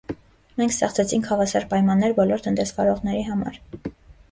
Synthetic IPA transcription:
mɛŋkʰst̪ɛχt͡sʰɛt͡sʰiŋkʰɑvɑsɑɾpɑjmɑnːɛɾbɔlɔɾt̪ʰənt̪ɛsvɑɾɔʁnɛɾiɦɑmɑ̰ɾ

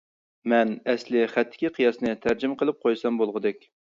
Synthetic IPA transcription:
mɛnɛslɪχæt̪ʰːɪ̥kʲiqʰijɑsnɨt̪ʰæɾd͡ʒɪmqʰəlˠɨp̚qʰojsɑmbolˠʁəd̪ɛkʲ

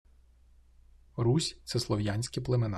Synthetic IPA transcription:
ɾusʲt̪sɛslˠɔʋjanʲsʲkɪplˠemen

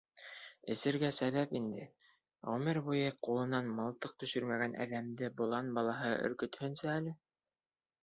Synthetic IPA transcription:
ɘ̆sɘ̆ɾɡæsæβæpind̪ɘ̰ | ʁɵmɘɾbujɤqulˠɤ̆nɑnmɑlˠt̪ɤq̚t̪ɵ̆ʃɵɾmæɡænʔæ̰ðæmd̪ɘbulˠɑnbɑlˠɑɦɤɵ̰̆ɾkɵ̆t̪hɵ̆nsæːlɘ

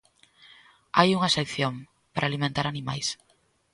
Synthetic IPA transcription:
ajuŋɐsekθjom | paɾʔalimẽnt̪aɾanimajs

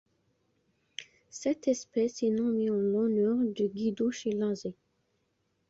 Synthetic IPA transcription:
sɛt̪ɛspɛsenɔ̃miɑ̃lɔnœʁd̪yɡid̪oʃelɑ̃ze

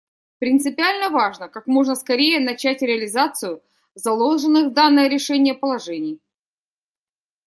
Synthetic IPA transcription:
pɾʲɪnt̪sɨpʲɪalʲnəvaʐnəkakmo̞ʐnəskɐɾʲejənɐt͡ɕætʲɾʲɪɐlʲɪzat̪sɨjʊ | zɐlˠolˠʐɨnːɨvd̪anːəjəɾʲɪʂɛnʲɪjəpəlˠɐʐɛnʲɪj

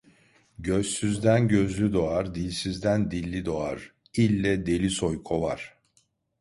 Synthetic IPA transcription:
ɟøzsyzd̪ænɟø̞zlʲyd̪o̞aɾd̪ilʲsizd̪ænd̪ilʲːid̪o̞aɾ̥ | ilʲːɛd̪e̞lʲiso̞jkʰovaɾ̥

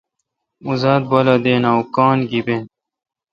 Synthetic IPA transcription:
uzaːd̪̚bɐlad̪eːnawkɑːnɡibeːn

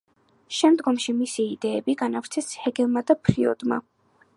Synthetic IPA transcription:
ʃɛmd̪ɡɔmʃimisiːd̪ɛːbiɡanavɾt̪sʰɛshɛɡɛlˠmad̪apʰɾiɔ̰d̪ma̰

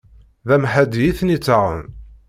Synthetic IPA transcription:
ðæmħæd̪jiθnit͡sːaʁə̰n

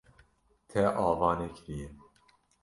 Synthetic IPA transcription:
t̪ʰɛʔɑːvɑːnekʰɾije

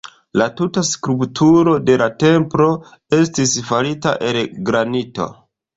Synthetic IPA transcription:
latutaskɾuptʰuɾo̞de̞late̞mpɾo̞ | e̞stisfaɾita̰ʔe̞lɡɾanito̞̰

